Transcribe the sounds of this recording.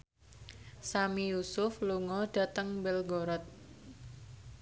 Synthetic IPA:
samijusʊfluŋɔɖ̥a̤t̪əŋbɛlɡɔɾɔt̪̚

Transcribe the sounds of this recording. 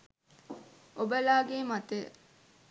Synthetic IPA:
obəlaːɡeːmat̪ḛ

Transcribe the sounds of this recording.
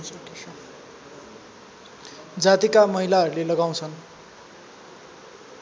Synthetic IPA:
d͡zat̪ikamʌɦilaɦʌɾulelʌɡaw̃t͡sʰʌn

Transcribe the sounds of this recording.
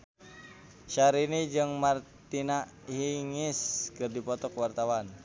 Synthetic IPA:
ʃaɾinid͡ʒɨŋmart̪ina | hiŋiskɨrdipɔt̪ɔkwart̪awan

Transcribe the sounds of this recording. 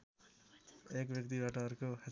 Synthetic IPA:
ekbjʌk̚t̪ibaʈʌʌɾukoha

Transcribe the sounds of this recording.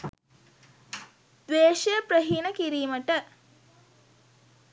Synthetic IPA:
d̪ʋeːʃəjəpɾəɦiːnəkiɾiːməʈə

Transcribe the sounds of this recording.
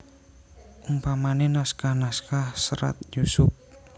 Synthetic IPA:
ʔumpamanenaskahnaskahsəɾa̰t̪jusʊp̚

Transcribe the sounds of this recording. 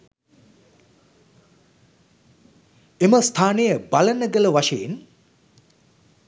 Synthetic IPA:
eməst̪ʰaːnejəbalənəɡələʋaʃeen

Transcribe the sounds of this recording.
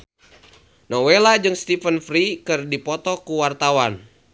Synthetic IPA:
nɔwelad͡ʒɨŋst̪ifənfɾikɨrdipɔt̪ɔkuwart̪awan

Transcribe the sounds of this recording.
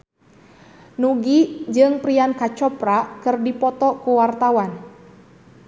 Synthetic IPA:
nuɡid͡ʒɨŋpɾiankat͡ʃɔpɾakɨrdipɔt̪ɔkuwart̪awan

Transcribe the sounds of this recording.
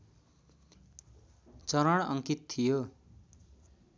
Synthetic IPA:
t͡sʌɾʌɽ̃ʌ̰ŋkit̪t̪ʰijo

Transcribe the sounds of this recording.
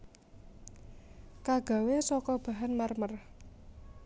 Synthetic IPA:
kaɡ̥a̤wesɔkɔb̥a̤ɦanmarmər

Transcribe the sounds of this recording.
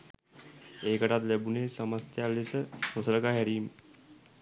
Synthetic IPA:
ekəʈat̪lebunesəməst̪ʰjalesəhosəɾkaɦɛɾiːm

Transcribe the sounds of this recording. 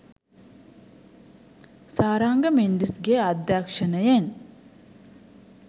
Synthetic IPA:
saːɾaːŋɡɐmend̪isɡeɐd̪jaːkʂɐnɐjen

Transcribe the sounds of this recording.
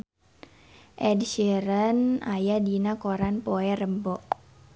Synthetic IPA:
ʔɛdʃeɾənajadinakoɾanpoɛrəmbɔʔ

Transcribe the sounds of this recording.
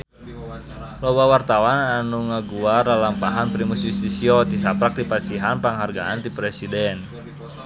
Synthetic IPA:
lɔwawart̪awananuŋaɡuaralampaɦanpɾimusjust̪isiɔt̪isapɾak̚dipasiɦanpaŋɦarɡaant̪ipɾɛsidɛn

